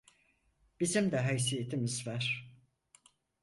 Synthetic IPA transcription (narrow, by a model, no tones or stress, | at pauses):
b̥izimd̪ɛɦæjs̬ijet̪ʰimizvæɾ̥